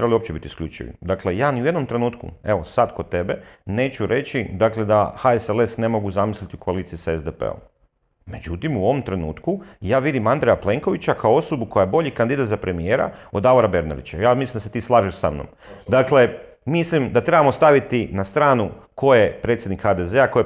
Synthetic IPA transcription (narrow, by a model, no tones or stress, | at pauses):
ɾebaliopt͡ʃebit̪iskʎut͡ʃḭʋḭd̪akle̞jaːniujed̪nomt̪ɾe̞nuːt̪kṵe̞ʋo̞sad̪kod̪̚t̪e̞be̞ne̞ːt͡ʃuɾe̞t͡ɕid̪akle̞d̪axaesele̞sne̞mo̞ɡuzamislit̪iukoaliːt̪siisaezd̪epḛo̰m | me̞d͡ʒut̪imuo̞ʋo̞mt̪ɾe̞nuːt̪kujaːʋid̪imand̪ɾejaplˠe̞ŋko̞ʋit͡ɕakaoo̞sobuko̞jajebo̞ʎikand̪id̪at̪zapɾe̞mijeːɾa̰od̪aʋoɾabe̞ɾna̰d̪ḭt͡ɕajaːmislimd̪aset̪iːslˠaːʒiʃsa̰mno̰m | d̪akle̞ | mislimd̪at̪ɾe̞bamo̞st̪aʋit̪inast̪ɾaːnuko̞jepɾet̪sʲjed̪nikxad̪ezeako̞je